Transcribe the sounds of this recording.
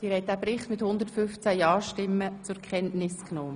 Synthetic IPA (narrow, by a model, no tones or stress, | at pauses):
d̥iːɾhɛɪt̚d̥æːpɾɪχtmɪthʊnd̪əɾtfʏnft͡sæjɑːʃtɪmːət͡sʊɾkʰχɛntnɪsknoː